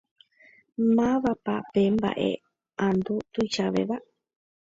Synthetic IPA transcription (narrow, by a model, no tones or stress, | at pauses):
mãβapa̰pemba̰ʔḛ | and̪ut̪uit͡ʃaβḛβaʔ